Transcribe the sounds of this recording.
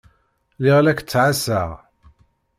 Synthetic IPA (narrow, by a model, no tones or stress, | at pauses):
lɪʁlækːt͡sːʕasaʁ